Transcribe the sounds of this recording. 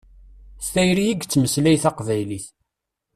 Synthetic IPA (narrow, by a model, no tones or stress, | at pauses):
st̪æjɾijiɡt͡sːməslæjθɑqvæjliθ